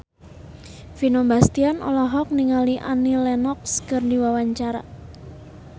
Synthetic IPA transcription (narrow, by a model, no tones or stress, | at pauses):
finɔmbast̪ianʔɔ̰lɔɦɔk̚niŋaliʔa̰nilɛnɔkskɨrndiwawaɲt͡ʃaɾa̰